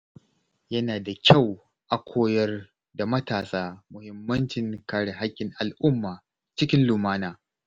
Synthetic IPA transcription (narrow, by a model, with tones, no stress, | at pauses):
jɐ˦naː˨da˨kʲʰa˦˨w | ʔa˨kʷʰoː˦jɐ˦r | da˨mɐ˦taː˨saː˦mʊ˨hɪ˦mːɐ˦nt͡ʃɪ˨ŋkaː˦ɽe˨ɦa˦kʲːɪ˨ŋʔa˨lʔʊ˦mːaː˨ | t͡ʃɪ˦kʲɪ˦nluː˨maː˦naː˨